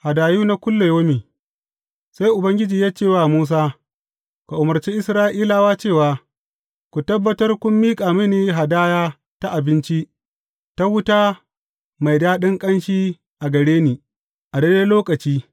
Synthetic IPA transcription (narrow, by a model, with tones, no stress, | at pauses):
ha˨daː˨juː˦na˦kʷʊ˦lːe˨joː˦miː˨ | sa˦jʔʊ˨bɐ˦ŋɡʲɪ˦d͡ʒiː˨jaː˦t͡ʃeː˦˨waː˦˨muː˦s̬aː˦ | ku˨ʔʊ˨mɐ˨rt͡ʃe˦ʔɪ˦sɾaː˦ʔiː˦la˨waː˦t͡ʃeː˦˨waː˨ | kʷu˨tɐ˦bːɐ˦tɐ˦rkʷʊ˦mːiː˦kʼaː˨mɪ˦niː˨ɦa˨daː˦jaː˦ | ta˦ʔa˨bɪ˦nt͡ʃi˦ | ta˦wʊ˦taː˦ | ma˨jdaː˦ɗɪ˦ŋkʼɐ˦nʃiː˦ | ʔa˨ɡɐ˨ɽeː˦niː˨ | ʔa˨de˦deː˦loː˦kʼɐ˨t͡ʃiː˦